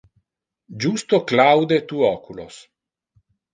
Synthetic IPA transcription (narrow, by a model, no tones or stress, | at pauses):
d͡ʒust̪oklawd̪et̪uɔkulo̰s